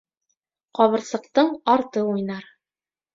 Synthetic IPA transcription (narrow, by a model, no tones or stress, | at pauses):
qɒβɤ̆ɾsɤ̆q̚t̪ɤɴɑɾt̪ɤujnɑɾ